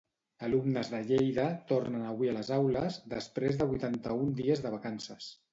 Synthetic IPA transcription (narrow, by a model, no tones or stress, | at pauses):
əlumnəzðəʎejðət̪ornənəβwiələzawləzðəspɾezðəβujt̪ant̪əund̪iəzðəβ̞əkansəs